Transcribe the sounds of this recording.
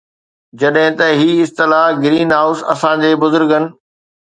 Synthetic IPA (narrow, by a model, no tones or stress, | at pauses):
d͡ʑɐɗɦɪ̃t̪ɐɦiːɪst̪ɪlaɡɪɾiːnɦaːʊsɐ̰sãːd͡ʑeːbʊzʊɾɡənɪ̆